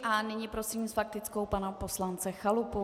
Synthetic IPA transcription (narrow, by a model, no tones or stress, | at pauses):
ʔanɪɲɪpɾo̞siːmsfak̚t̪ɪt͡skowpanapo̞slant͡sɛxalupo